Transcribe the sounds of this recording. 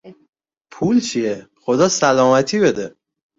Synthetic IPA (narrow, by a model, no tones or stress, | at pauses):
pʰuːlt͡ʃʰiexo̞d̪ɒːsælɒːmæt̪ʰiːbe̞d̪e